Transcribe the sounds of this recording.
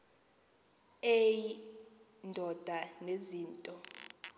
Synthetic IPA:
eji | ndʱɔd̥ʱaneziːntʼɔ

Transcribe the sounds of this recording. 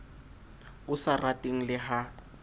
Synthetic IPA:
ʊsaratʼeŋ̩lɪɦa

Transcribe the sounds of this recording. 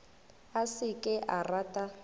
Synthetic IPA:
asɪkʼɪʔaratʼa

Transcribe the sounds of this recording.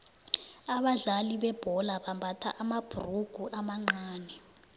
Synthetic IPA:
aɓaɮaliɓɛb̥ʱɔlaɓambʱatʰa̰ʔamab̥ʱuruɡ̥ʱuʔamaŋ͡ǃaːnɛ

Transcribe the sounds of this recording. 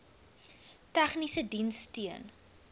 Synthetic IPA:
tæχnisədinstiən

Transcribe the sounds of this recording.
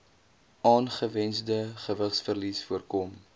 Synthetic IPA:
ɑːnχəvɛnsdəχəvəχsfərlisfuərkɔm

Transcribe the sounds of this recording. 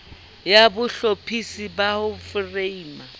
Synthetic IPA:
jabʊɬopʰisibahʊfreiːma

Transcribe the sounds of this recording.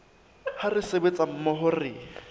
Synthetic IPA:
harɪsebet͡sʼam̩mɔɦʊrɪ

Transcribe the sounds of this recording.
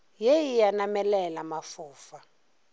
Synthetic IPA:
jejijanamɛlɛlamafuːfa

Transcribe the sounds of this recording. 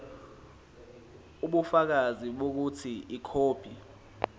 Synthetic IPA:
uɓufak̬aziɓok̬utʰiikʰoːb̥ʱi

